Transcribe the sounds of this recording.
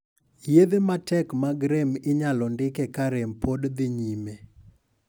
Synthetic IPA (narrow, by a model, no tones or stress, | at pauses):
jed̪ematɛkmaɡɾemɪɲalɔndɪkɛkaɾempodd̪ɪɲime